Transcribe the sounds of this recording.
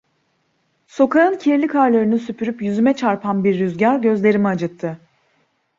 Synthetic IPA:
so̞kʰaɯncʰiɾlʲikʰaɾlˠaɾɯnysypʰyɾypjyzymɛt͡ʃʰaɾpʰanbiɾːyzɟaɾɟø̞zlʲe̞ɾimiad͡ʒɯt̪ʰːɯ

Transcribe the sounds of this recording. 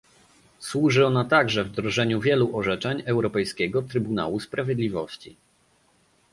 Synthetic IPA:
swuʐɘɔnat̪aɡʐɛvd̪ɾɔʐɛɲuvʲjɛluʔɔʐɛt͡ʂɛɲɛwɾɔpɛjskʲɛɡɔt̪ɾɘbuna̰wuspɾavʲjɛd̪lʲivɔɕt͡ɕḭ

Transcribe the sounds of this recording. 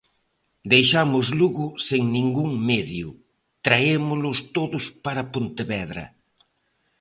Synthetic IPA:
d̪ejʃamʊzluɣʊseŋnĩŋɡuŋmeðjʊ | t̪ɾaemʊlʊst̪oðʊspaɾɐpont̪eβɛðɾɐ̰

